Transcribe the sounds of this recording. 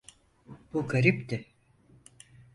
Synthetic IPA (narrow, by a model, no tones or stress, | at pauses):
buɡaɾipt̪ɪ